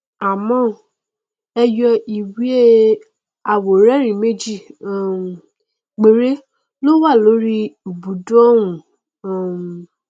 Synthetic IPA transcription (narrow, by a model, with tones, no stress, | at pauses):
a˨mɔ̃˦ | ɛ˧jɔ˧i˨wi˦e˦ | a˨wo˨ɾɛ˦ɾĩ˨me˦d͡ʒi˦˨ | ɡ͡be˨ɾe˦ | lo˦wa˦˨lo˨˦ɾi˦u˨bu˨˦dɔ˦wũ˨